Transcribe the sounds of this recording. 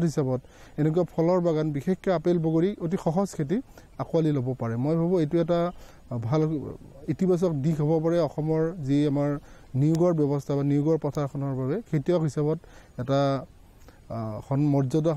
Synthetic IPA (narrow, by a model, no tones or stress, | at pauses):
tɦisabɔt | ɛnɛk̬uapʰɔlɔɹbaɡanbixekːɔapelboɡoɹiot̬ixɔɦɔzkʰet̬i | akualilobɔpaɹɛmojbʱabɔ̃ejtʊɛta | bʱal | itibas̬ɔk̚dikɦɔbɔpaɹɛɔxɔmɔɹziamaɹ | niʊɡɔɹbjɔbɔstʰabaniʊɡɔɹpɔtʰaɹkʰɔnɔɹbabɛkʰetijɔkɦisabɔt | ɛta | xɔnmɔɹzɔda